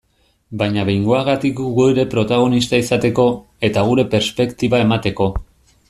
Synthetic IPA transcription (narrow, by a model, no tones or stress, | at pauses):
bajɲaβe̞jŋɡo̞aɣat̪ikɡuɣueɾe̞pɾo̞t̪aɣ̞o̞nist̪aisat̪e̞ko̞ | e̞t̪aɣ̞uɾe̞pe̞ɾspe̞kt̪iβae̞mat̪e̞ko̞